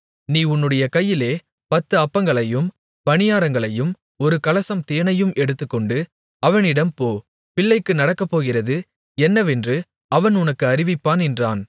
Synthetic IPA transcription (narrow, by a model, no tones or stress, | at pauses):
niːʊnːɯɽɐjɐkɐjːɪleː | pɐt̪ːɯɐpːɐŋɡɐɭɐjɯm | ʋɐnɪjaːɾɐŋɡɐɭɐjɯm | ɔɾɯkɐlɐsɐmt̪eːnɐjɯmʔɛɽɯt̪ːɯkːɔɳɖɯ | ɐʋɐnɪɽɐmpoː | pɪɭːɐɪkːɯnɐɽɐkːɐpːoːɣɪrɐðɯ | ɛnːɐʋɛndrɯ | ɐʋɐnʊnɐkːɯɐɾɪʋɪpːaːnɛndraːn